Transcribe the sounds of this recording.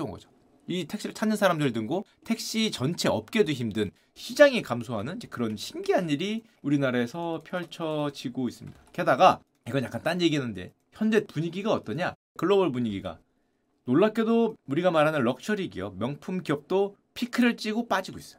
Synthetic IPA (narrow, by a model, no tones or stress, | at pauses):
unɡʌ̰d͡ʑo̥ | itʰekɕ͈iot͡ɕʰanːɯnsʰaɾamdɯɭdɯŋɡotʰe̞k̚ɕ͈it͡ɕʌnt͡ɕʰe̞ʌp̚k͈e̞duçimdɯn | ɕʰid͡ʑaŋikamsʰoɦanɯnid͡ʑekɯɾʌnɕʰimɡiɦanːiɾi | uɾinaɾesʰʌpʰjʌɭt͡ɕʰʌd͡ʑiɡois͈ɯmɲidake̞daɡa | iɡʌnjak͈ant͈anje̞ɡiɯnde̞̰ | çjʌnd͡ʑe̞puɲiɡiɡaʌt͈ʌɲa | kɯɭːʌbɯɭpuɲiɡiɡa̰ | noɭːak͈edouɾiɡamaɾɦanɯnɭʌk̚t͡ɕʰʌɾiɡijʌmjʌŋpʰumɡiʌp̚t͈o | pʰikʰɯɾɯɭt͡ɕ͈iɡop͈ad͡ʑiɡois͈ʌ̥joo